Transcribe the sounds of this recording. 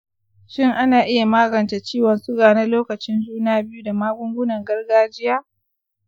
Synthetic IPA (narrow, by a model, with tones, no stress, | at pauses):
ʃɪ˦˨ŋʔa˦naː˨ʔɪ˦ja˨maː˦ɡɐ˨nt͡ʃe˨t͡ʃiː˦wɐ˨nsʊ˦ɡaː˨na˦loː˦kɐ˨t͡ʃɪ˦nd͡ʒuː˦naː˦bɪ˦ju˦da˨maː˦ɡʷʊ˦ŋɡʷʊ˦nɐ˨ŋɡɐ˦rɡaː˦d͡ʒɪ˦jaː˦